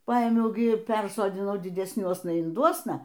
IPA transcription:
ˈpɐeːmʲɛʊ ɡʲɪ ˈpʲɛrsoːdʲɪnɐʊ dʲɪdʲɛsʲˈnʲuɔsnɐ ɪnˈduɔsnɐ

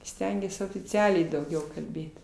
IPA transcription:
ˈsʲtʲɛŋʲɡʲiɛs oːfʲɪˈt͡sʲæːlʲɛɪ dɐʊˈɡʲɛʊ kɐlʲˈbʲeːt

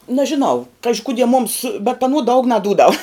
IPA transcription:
nɐʒʲɪˈnɐʊ ˈkɑːʒʲɪ ˈkʊdʲiɛ mʊms bʲɛt ɐˈnuɔ dɐʊk nɐˈduːdɐw

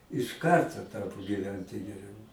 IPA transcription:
ɪʃ ˈkɐrtoː ˈtɑːpoː ɡʲiːˈʋʲɛnʲtʲɪ ɡʲɛˈrʲɛʊ

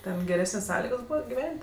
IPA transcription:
ˈtʲɛn ɡʲɛˈrʲæːsʲnʲeːsʲ ˈsɑːlʲɪɡoːs ˈbuːʋɐ ɡʲɪˈʋʲɛnʲtʲ

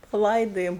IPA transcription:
pɐˈlˠɐɪdoːjoːm

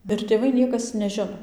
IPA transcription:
ɪr tʲeːˈʋɐɪ ˈnʲiɛkɐs nʲɛˈʒʲɪnoː

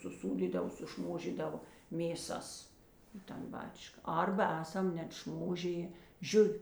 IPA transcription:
sʊˈsuːdʲiːdɐw sʊˈʃmoːʒʲiːdɐʋɐ mʲeːˈsɐs ɪ tɐn ˈbɑːt͡ʃkɐ ˈɐrbɐ ˈæːsɐm nʲɛt ˈʃmoːʒʲɪjeː ˈʒʲʊʋʲɪ

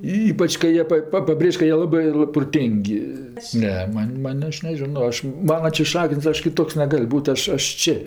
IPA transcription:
ˈiːpɐt͡ʃ kɐɪ ˈjiɛ pɐ ˈpɐ pɐˈbʲrʲeːʃʲ kɐ ˈjiɛ ˈlˠɑːbɜ proːˈtʲeːŋʲkʲ ˈnʲɛ ˈmɐnʲ ˈmɐnʲ ˈɐʃ nʲɛˈʒʲɪnoː ˈɐʃ ˈmɑːnɐ t͡ʃʲɛ ˈʃɑːkʲɪnʲsʲ ˈɐʃ kʲɪˈtoːks nʲɛˈɡɐlʲ ˈbuːtʲ ˈɐʃ ˈɐʃ ˈt͡ʃʲɪ

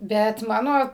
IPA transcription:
ˈbʲɛt ˈmɑːnoː

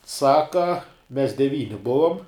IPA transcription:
ˈsɑːkɐ mʲɛs dʲɛˈʋʲiːnʲɪ ˈbʊʋoːm

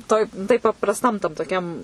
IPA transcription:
ˈtoːj tɐɪ pɐprɐsˈtɐm tɐm toːˈkʲɛm

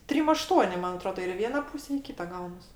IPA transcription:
ˈtʲrʲɪm ɐˈʃtuɔnʲɪ ˈmɐn ɐˈtroːdɐ ɪr ɪ ˈʋʲiɛnɐ ˈpuːsʲɛ ɪ ˈkʲiːtɐ ˈɡɐʊnɐs

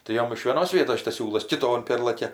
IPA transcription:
tɐɪ ˈjoːm ɪʃ ʋʲiɛˈnoːs ˈʋʲiɛtoːs ˈʃʲɪtɐs ˈsʲuːlˠɐs kʲɪˈtoːn ˈpʲeːrlˠɐkʲɛ

